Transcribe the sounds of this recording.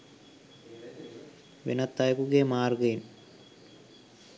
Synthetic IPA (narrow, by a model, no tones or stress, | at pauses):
ʋḛnɐt̪ːajkuɡemaːrɡɐin